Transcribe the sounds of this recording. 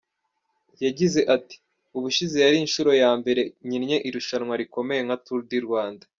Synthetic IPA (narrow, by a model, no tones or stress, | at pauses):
jaɟize̞ʔati̥ | uβuʃizijaɾiːnʃuɾo̞jaːmbe̞ɾe̞ɲinɲe̞ʔiɾuʃanŋwaɾiko̞me̞je̞ŋhatuɾdiɾɡwaːnda